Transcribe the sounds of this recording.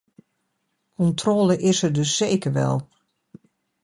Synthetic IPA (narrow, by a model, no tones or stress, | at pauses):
kɔntʰrɔːləʔɪsərdøsːeːkəɹʋɛ̰lˠ